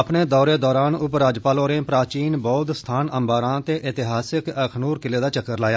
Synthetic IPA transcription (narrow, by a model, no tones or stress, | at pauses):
əpneːd̪ɔːɾeːd̪ɔːɾaːnʊpɾaːd͡ʒpaːloːɾẽːpɾaːt͡ʃiːnbɔːt̪st̪ʰaːnəmbaːɾãːt̪eːʔɪt̪ɪɦaːsɪkəkʰnuːɾkɪleːd̪aːt͡ʃəkːəɾlaːjaː